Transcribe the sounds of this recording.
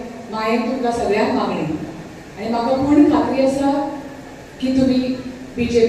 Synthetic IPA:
majent̪uɡasəɡɭjãkmaŋɡɳi | aɽ̃im̤aɡakuɳkat̪ɾiəsə | kiːt̪um̤iːbid͡ʑep

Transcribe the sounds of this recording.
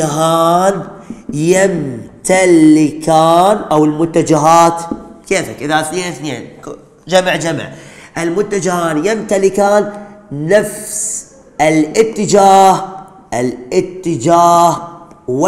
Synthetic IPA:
ɦaːnjɪmt̪alɪkaːnʔawɪlmʊt̪ːad͡ʒaɦaːt̪keːfhakʔɪðaθneθneːn | d͡ʒaməʕd͡ʒamɪ̰ʕʔɪlmʊt̪ːad͡ʒahaːnjɪmt̪alɪkaːnːafs | ɪlʔɪt̪ːɪd͡ʒaːh | ʔɪlʔɪt̪ːɪd͡ʒaːhw

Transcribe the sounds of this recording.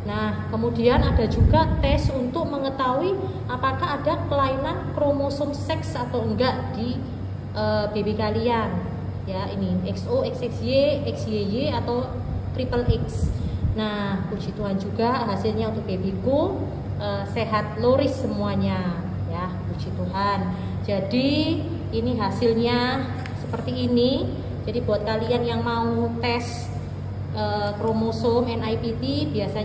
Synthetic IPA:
nahkəmudianad̥a̤d͡ʒuɡa̤t̪ɛsunt̪ʊk̚məŋət̪awi | apakaɦːd̥a̤kəlainankɾomosʊmsɛksat̪awəŋɡaʔd̥i | ʔəb̥ebekalian | jainiɛksoɛksɛkseɛksjejeat̪aw | t̪ɾipəlʔɪksnahkut͡ʃit̪uɦand͡ʒuɡaɦasɪlɲaunt̪ʊk̚b̥ebeku | ʔəseɦat̪̚loɾɪsːəmuaɲa | ja | kut͡ʃit̪uɦan | d͡ʒadi | iniɦasɪlɲa | səpərt̪iːni | d͡ʒadibuat̪̚kalianjaŋmaut̪ɛs | ʔəkɾomosomɛnajpip̪ibiasa

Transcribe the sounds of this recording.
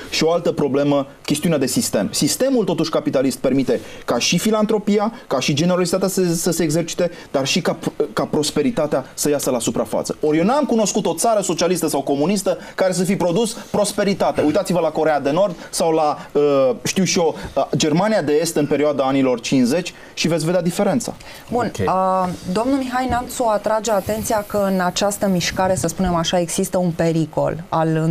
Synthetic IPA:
ʃioalt̪əpɾo̞ble̞mə | kʲe̞st̪iunead̪e̞sist̪e̞̰msist̪e̞mult̪o̞t̪uʃkapit̪alist̪̚pe̞rmit̪e̞kaʃifilant̪ɾo̞piakaʃid͡ʒe̞ne̞ɾosit̪at̪eassəseːɡze̞rt͡ʃi̥t̪e̞ | d̪arʃikakapɾo̞spe̞ɾit̪at̪easəjasəlasupɾa̰fa̰t̪sə̥̰o̞ɾjewnamkuno̞skut̪o̞t̪saɾəso̞t͡ʃialist̪əsawko̞munist̪əkaɾe̞s̬əfijpɾo̞d̪uspɾo̞spe̞ɾit̪at̪eaujt̪at̪sivəlako̞ɾe̞ad̪e̞no̞rd̪sawlaəʃt̪iwʃio̞d͡ʒe̞rmanijad̪e̞e̞st̪ɨnpe̞ɾioad̪aanilo̞rt͡ʃinsze̞t͡ʃʲ | ʃivet̪sved̪ʲad̪ife̞ɾe̞nt̪sa̰ | bunəd̪omnumixajnamt̪soat̪ɾad͡ʒeat̪e̞nt̪sijakəɨnat͡ʃast̪əmiʃkaɾe̞səspune̞maʃae̞ɡz̥ist̪əunpe̞ɾiko̞̰lalɨ

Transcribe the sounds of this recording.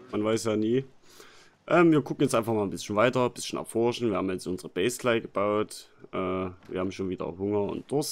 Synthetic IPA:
manvaɪsjaːniː | ʔɛːmviːɐkʊkŋ̩jɛt͡stʔaɪnfaχmaːln̩bɪsçn̩vaɪtɐb̥ɪsçn̩ɛ̰ɐfɔɐʃn̩viːɐaːbm̩jɛt͡sʊnzəʁəb̥ɛɪstlaɪɡəb̥aʊt | ʔɛːvḭɐhaːbmʃoːnviːdɐ̰hɦʊŋɐʊ̰ntd̥ʊs

